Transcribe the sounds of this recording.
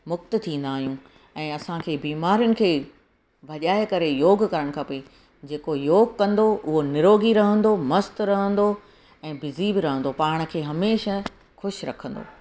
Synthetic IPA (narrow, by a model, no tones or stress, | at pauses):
mʊk̚t̪t̪ʰĩːn̆d̪aːɦijũ | ɛ̃ːɐsãkʰeːbiːmaːɾijʊnɪ̆kʰeː | bʱɐʄaːɪkɐɾejoːɡkɐɾəɽ̃kʰɐpe | d͡ʑeːkojoːɡkɐ̃nd̪oʔʊɦonɪɾoːɡiɾɐɦə̃nd̪omɐst̪ɾɐɦə̃nd̪o | ɛ̃ːbɪzibɪɾɐɦə̃nd̪opaːɽ̃ə̆kʰeːɦɐmeːʃa | xʊʃɾɐkʰə̃nd̪o̰ː